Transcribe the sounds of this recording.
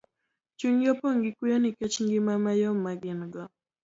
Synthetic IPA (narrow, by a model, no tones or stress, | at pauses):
t͡ʃuŋiɔpɔŋɡikujɔnikɛt͡ʃŋɡimamajɔmaɡinɡɔ